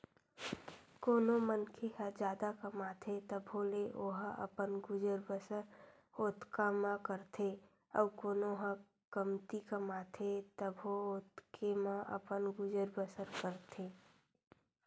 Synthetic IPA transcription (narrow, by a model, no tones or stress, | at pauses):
koːnomənkʰeɦəd͡ʒjaːd̪akəmaːt̪ʰet̪əbʱoleʔoːɦə̰pənɡʊd͡ʒəɾbəəɾ | oːt̪kamãkəɾt̪ʰe | ɔːkoːnoɦə̃ | kəmt̪ikəmaːt̪ʰet̪əbʱoot̪kʰemãʔə̰pənɡʊd͡ʒəɾbəsəɾkəɾt̪ʰeː